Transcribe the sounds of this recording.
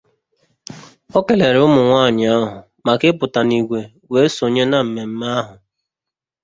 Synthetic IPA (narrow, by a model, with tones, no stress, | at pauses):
ɔ˦ke˨le˨ɾʊ˦mʊ˨ŋʷaː˦˨ɲɪ˨ɔ˦ɦʊ˨ | ma˨kɪ˦pʊ˨ta˨ni˨ɡʷe˨ | we˨˦e˦so˨ɲe˦na˨m̩˨me˨m̩˦ma˦ɦʊ˨